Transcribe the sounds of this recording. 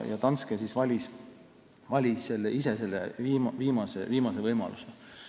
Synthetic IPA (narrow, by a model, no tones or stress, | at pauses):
jɑ̰t̪ɑnskesisvɑlʲis | vɑlʲisse̞lːeʔise̞se̞lːḛviːmviːmɑsḛviːmɑsevɤjmɑ̰luse